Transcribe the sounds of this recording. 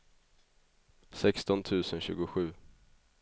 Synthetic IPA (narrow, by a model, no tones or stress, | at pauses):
sɛkst̪ɔnt̪ʰʉ̟ːsənɕʉ̟ːɡʊɧʉ̟ː